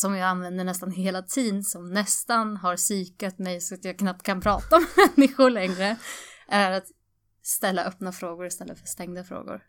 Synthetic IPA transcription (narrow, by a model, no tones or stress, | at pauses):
sɔmjaːɡanvɛnd̪əɳɛst̪anɦeːlat̪ʰiːd̪nsɔmnɛst̪anɦaɾsyːkat̪mɛjsɔat̪jɑːɡkʰnap̚t̪̚kʰanpʰɾɑːt̪aɔmɛmɛnːɪxʊɭɛŋɾəʔæɾat̪ | st̪ɛlːa̰ʔœpːnafɾoːɡʊɾɪst̪ɛlːə̰fœʂt̪ɛŋd̪afɾo̰ːɡʊ̰ɾ